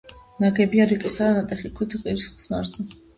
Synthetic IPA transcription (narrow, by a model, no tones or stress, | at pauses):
naɡɛbiaɾiqʼisaanat̪ʼɛχikʰwt̪ʰiqʼiɾisχsnaɾzɛ